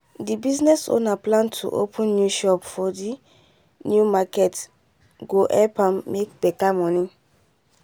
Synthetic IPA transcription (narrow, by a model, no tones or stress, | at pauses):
dibiznɛso̰naplãntʰṵʔo̰pʰə̃nːjuʃɔpfɔdi | njumakɛt | ɡoʔɛpʰãmːekb̥ɛkamɔ̃nĩŋ